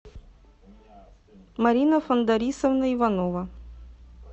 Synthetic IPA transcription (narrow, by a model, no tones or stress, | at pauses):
mɐɾʲinəfɐnd̪ɐɾʲisəvnəivanovɐ